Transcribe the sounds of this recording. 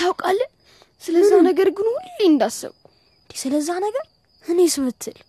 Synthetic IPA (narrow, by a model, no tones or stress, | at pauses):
awkʼalːɨ | sɨləzːahnəɡəɾɡɨnwʊlːijɪnd̪asːə̰βk | nnd̪isɨləzːahnəɡəɾ | hɨnesɨmɨt̪ʰːɨl